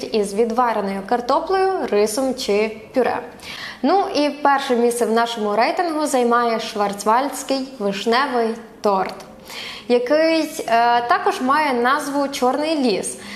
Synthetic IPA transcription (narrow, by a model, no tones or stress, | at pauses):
tʲizʋʲid̪ʋɑɾenɔjʊkɐrt̪ɔplˠɔjʊrɪsɔmt͡ʃɪpʲʊɾɛ̰ | nuʔipɛrʃɛmʲisɛwnɑʃɔmʊɾɛjt̪ɪnɦʊzɐjmɑjɛʃʋɐrt͡s̪ʲʋɑlʲsʲkɪjʋɪʃnɛʋɪjt̪ɔrt̪ | jɐkɪsʲt̪ɑkɔʒmɑjɛnɑzʋʊt͡ʃɔrnɪjlʲis